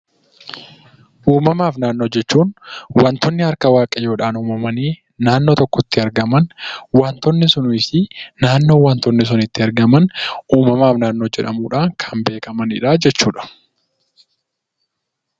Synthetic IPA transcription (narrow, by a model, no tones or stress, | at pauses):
ʔuːmɐmaːfnaːnːo̞ːd͡ʒɛt͡ʃːuːnwɐnt̪ɔnːɪhɐɾkɐwaːkʼɐjo̞ːᶑaːnuːmɐmɐniː | naːnːo̞ːt̪ɔkːɔt̪ːɪɐɾɡɐmɐnwɐnt̪ɔnːɪsʊnʊɪsɪnaːnːo̞ːwɐnt̪ɔnːɪs̬ʊnɪt̪ːɪɐɾɡɐmɐnʔuːmɐmaːfnaːnːo̞ːd͡ʒɛᶑɐ̰muːᶑaːŋkʰɐ̥mbe̞ːkɐmɐnɪ̰ᶑaːd͡ʒɛt͡ʃːuːᶑɐ̥